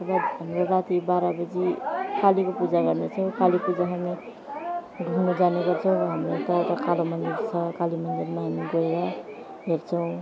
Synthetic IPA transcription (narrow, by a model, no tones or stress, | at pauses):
bad̪ɦʌmɾoɾat̪ibaɾabʌd͡zikalikopud͡zaɡʌrnet͡sʰʌw̃kalipud͡zaɦami | ɡʱunud͡zaneɡʌɾt͡sʰʌw̃ɦamɾot̪ʌeʈʌkalomʌnd̪iɾt͡sʰʌkalimʌnd̪iɾmaɦamiɡoeɾʌ | ɦert͡sʰʌw̃